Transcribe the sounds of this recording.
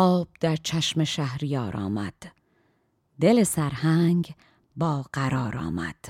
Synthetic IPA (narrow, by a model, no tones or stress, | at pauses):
ʔɒːb̥̚d̪̥æɾt͡ʃʰæʃmeʃæhɾijɒːɾʔɒ̰ːmæd̪̥ | d̪elesæɾhæŋɡ | bɒːɢ̥æɾɒːɾɒ̰ːmæ̰d̪̥